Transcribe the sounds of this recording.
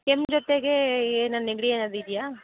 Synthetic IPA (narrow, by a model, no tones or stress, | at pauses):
kemd͡ʒɔt̪eɡeeːnɐneɡɽieːnaːd̪id̪ijaː